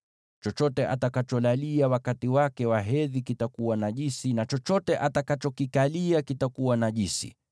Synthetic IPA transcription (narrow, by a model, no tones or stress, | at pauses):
t͡ʃɔt͡ʃɔtɛʔa̰takat͡ʃɔlaliawakatiwakɛwaɦɛðikitakuwanaʄisinat͡ʃɔt͡ʃɔtɛʔatakat͡ʃɔkikaliakitakuwanaʄisḭ